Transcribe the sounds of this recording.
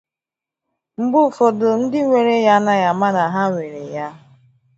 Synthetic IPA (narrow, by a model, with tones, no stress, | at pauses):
m̩˦bʊ˦˨fo˨dʊ˨n̩˦dɪ˦ŋʷe˨ɾe˦ja˦na˦ja˨ma˦na˨ɦa˦ŋʷe˨ɾe˨ja˦